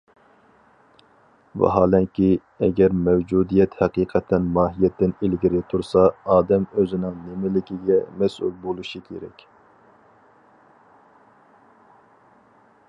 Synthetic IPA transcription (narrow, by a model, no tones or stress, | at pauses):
vɛ̰ɦɑːlɛŋkʲʰi | ɛɡʲɛɾmɛwd͡ʒud̪ijɛt̪hɛqiːqʰɛt̪ʰːɛnmɑːɦijɛt̪ʰːɪnilɡʲiɾɪt̪ʰuɾsɑɑːd̪ɛmøzɪnɪŋnemɪlɪkʲiɡʲɛmɛsṵlˠbolˠuʃikʲʰḛɾɛ̰kʲ